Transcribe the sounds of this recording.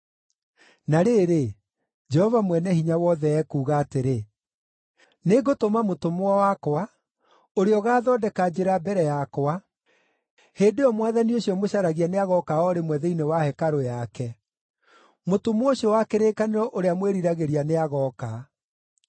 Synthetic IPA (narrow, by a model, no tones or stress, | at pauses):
naɾeɾe | d͡ʒɛhɔvamwɛnɛhiɲawɔðɛɛkuːɣaːteɾe | neɡotomamotomowawakwa | oɾeɔɣaːðɔːdɛkad͡ʑeɾabɛɾɛjakwa | heːdeɔmwaːðanioɕiɔmoɕaɾaɣianeaɣɔkaɔɾemwɛðeinewahɛkaɾojakɛ | motomoɕiɔwakeɾeːkaneɾɔʔoɾeamweɾiɾaɣeɾianeaɣɔka